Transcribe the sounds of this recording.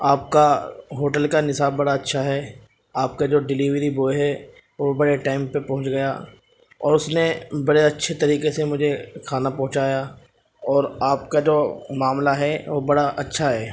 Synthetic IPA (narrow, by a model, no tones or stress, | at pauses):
aːp̚kaɦoːʈəlkanɪsaːbːɐɽaɐtːʃʰaɦɛː | aːp̚kad͡ʒoːɖɪliːʋɾiboːeɦɛ | ʋobɐɽeʈaːɪmpepɐ̃ɦʊ̃t͡ʃɡɐjaː | ɔ̰ːɾʊsnebɐɽeɐtːʃʰet̪ɐɾiːkesemʊd͡ʒʱekʰaːnapɐɦʊ̃t͡ʃaːja | ɔːɾaːp̚kad͡ʒoːmaːmlaɦɛʋobɐɽaʔɐtːʃʰaɦɛː